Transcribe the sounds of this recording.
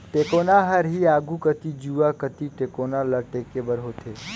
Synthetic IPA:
ʈekoːnaɦəɾɦiaːɡukət̪id͡ʒuakət̪iʈeːkoːnaləʈeːkebəɾɦoːt̪ʰeː

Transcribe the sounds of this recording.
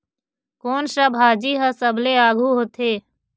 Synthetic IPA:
koːnʃəbʱɦaːd͡ʒiɦəsəbleaːɡʱuɦoːt̪ʰeː

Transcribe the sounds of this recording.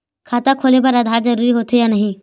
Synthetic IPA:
kʰaːt̪akʰoːlep̬əɾɐd̪ʱaːɾzɐɾuːɾiɦoːt̪ejanɐɦĩ

